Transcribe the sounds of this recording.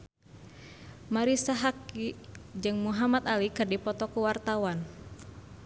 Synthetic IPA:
maɾisaɦakid͡ʒɨŋmuɦamat̪alikɨrdipɔt̪ɔkuwart̪awan

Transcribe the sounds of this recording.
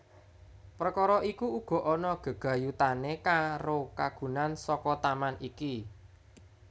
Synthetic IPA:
pɾəkɔɾɔʔikuuɡ̥ɔ̤ʔɔnɔɡ̥ə̤ɡ̥a̤jut̪anekaɾokaɡ̥ṳnansɔkɔt̪amanʔiki

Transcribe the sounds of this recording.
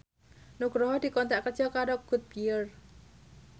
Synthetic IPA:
nuɡ̥ɾɔɦɔd̪̥i̤kɔnt̪aʔkərd͡ʒɔkaɾoɡ̥ṳt̪̚piər

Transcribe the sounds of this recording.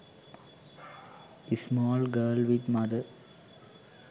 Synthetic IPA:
ismɔːlɡəːlʋɪd̪mɐd̪ə

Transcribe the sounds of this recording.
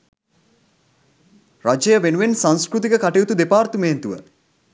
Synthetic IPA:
rad͡ʒejəʋenuʋensaŋskɾut̪̬ikəkaʈeut̪ud̪epaːrt̪umeːnt̪uʋə̰

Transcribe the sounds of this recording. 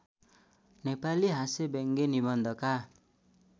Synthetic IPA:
nepaliɦasebeŋɡenibʌnd̪ʱʌka

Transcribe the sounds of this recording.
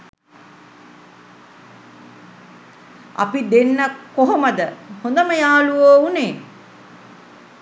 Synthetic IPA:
ɐ̰pid̪enːəkːoɦoməd̪əhond̪əməjaːluʋoːuneː

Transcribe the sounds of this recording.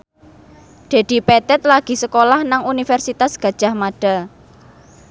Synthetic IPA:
d̪̥e̤d̪̥i̤pɛt̪ɛt̪̚laɡ̥i̤səkolahnaŋunifɛrsit̪asɡ̥a̤d̥ʒ̥a̤hmaɖ̥a̤

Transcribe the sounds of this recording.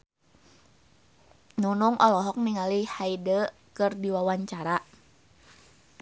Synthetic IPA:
nunuŋʔɔlɔɦɔk̚niŋalihaidə | kɨrdiwawaɲt͡ʃaɾa

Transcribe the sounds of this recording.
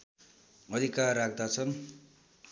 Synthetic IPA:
ʌd̪ʱikarːak̚ʰd̪at͡sʰʌn

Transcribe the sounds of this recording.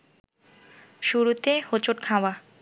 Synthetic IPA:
ʃuɾut̪ehot͡ɕoʈkʰawa

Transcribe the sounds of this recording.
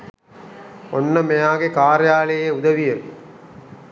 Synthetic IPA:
ɔnːɐmejaːɣekaːɾɐjaːlɐjeuðɐʋijɐɾ

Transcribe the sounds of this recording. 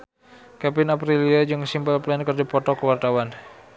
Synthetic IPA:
kɛpɪnapɾiliad͡ʒɨŋsimpəlplɛnkərdipɔt̪ɔkəwart̪awan

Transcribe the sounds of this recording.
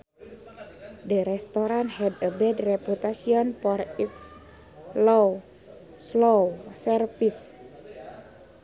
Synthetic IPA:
dəɾɛst̪oɾanhɛdəbɛdrɛput̪asiɔnfɔrit̪s | low | slowsərfis

